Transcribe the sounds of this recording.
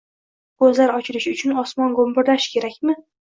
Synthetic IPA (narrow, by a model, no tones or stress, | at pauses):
kɵzlaɾɒt͡ʃʰɪlɪʃʊt͡ʃʰʊnɒsmɒnɡombɪɾlaʃkʲʰe̞ɾakʲmɪ